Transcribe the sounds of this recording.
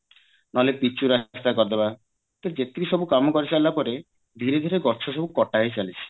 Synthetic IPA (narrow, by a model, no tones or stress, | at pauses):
nɔlepit͡ʃuɾast̪akɔɾd̪eba | t̪ed͡ʒet̪iɾiʃɔbukamɔkɔɾit͡ʃʰalːapɔɾe | d̪ʱiɾed̪ʱiɾeɡɔɾt͡ʃʰɔʃɔbukɔʈaɦejt͡ʃalit͡ʃʰi̥